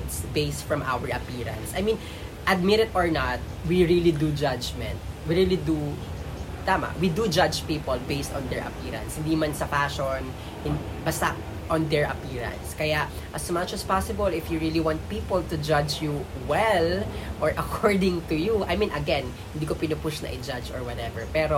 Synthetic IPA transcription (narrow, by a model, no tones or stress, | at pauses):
t̪sbejst̪fɹɔ̃mʔa̰wɛɹɐpiːɹɐ̰̃nsʔɐajmĩn | ʔɐd̪̚mɪɾɪt̪ɔɹnat̪̚wiɹilid̪ud͡ʒad͡ʒmɛ̰̃nt̪̚wiɹilid̪u | t̪amɐ̰wid̪ud͡ʒad͡ʒpiːpɔlbejst̪ɔ̃nd̪ɛɹʔɐ̰piɹɐ̰̃nshɪnd̪imɐnsɐpaʃɔn | hɪn | bɐst̪ɐ | ʔɔ̃nd̪ɛɹʔɐpiːɹɐ̰̃nskɐja | ʔɐsmɐt͡ʃɐspasɪbɔlɪfjuɹiliwãnt̪̚piːpɔlt̪ʊd͡ʒad͡ʒju | wɛlʔɔɹʔɐkʰɔɹd̪ɪ̃ŋt̪ʊjuʔa̰jmĩnʔɐɡɛ̃nhɪnd̪iːkopɪnʊpʊʃnɐ̰ʔɪd͡ʒad͡ʒɔ̰ɹwɐt̪ɛvɛɹpɛːɾo